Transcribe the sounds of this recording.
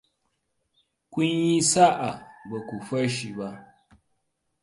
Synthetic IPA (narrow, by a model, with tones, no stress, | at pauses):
kʷʊ˦ɲji˦sa˦ʔa˨ba˨kʷu˨ɸɐ˦ʃi˨ba˦ʔ